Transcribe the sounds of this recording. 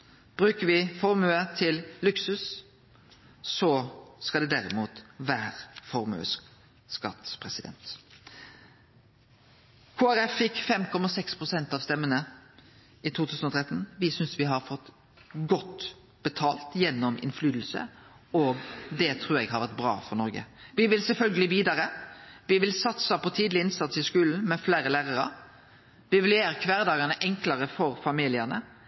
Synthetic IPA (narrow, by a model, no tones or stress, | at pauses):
b̥ɾʉːkəɾʋɪfɔɾmøət̪ʰɪllʉksʉs | sɔskɑld̪ɛd̪æɾɪmuːt̪ʋæːɾfɔɾmø̰ːs | skɑt̪spʰʁɛsɪd̪ɛ̰nt̪ | kʰoːæɾɛfːɪkfɛmkʰɔmɑsɛkspʰʁʊsɛnt̪ɑʋst̪ɛmːənə | ɪt̪ʰuːt̪ʰʉːsn̩ɔt̪ʰʁɾɛt̪n̩ʋɪsʏnsʋɪɦɑɾfɔt̪ː | ɡɔt̪ | b̥ət̪ʰɑːlt̪jɛnːɔmɪ̰nflyːd̪l̩sə̰ɔɡd̪ɛt̪ʰɾuːɾɛɡhɑɾʋæʁt̪̚bɾɑ̰ːfɔɾnɔɾɡə̰ | ʋɪʋɪlsɛlfœlɡəlɪʋiːd̪ɑɾəʋɪʋɪlsɑt̪səpʰɔt̪ʰiːd̪lɪɪnsɑt̪sɪskʉːln̩mɛfleːɾəlæːʁəɾə̰ | ʋɪʋɪljeːɾəkʰʋæːɾd̪ɑːɡɑnəʔɛŋkləɾəfɔɾfɑmiːlɪənə̰